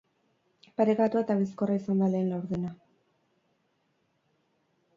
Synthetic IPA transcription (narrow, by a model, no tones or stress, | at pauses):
paɾe̞kat̪uat̪aβisko̞raisand̪ale̞ːnlawɾðena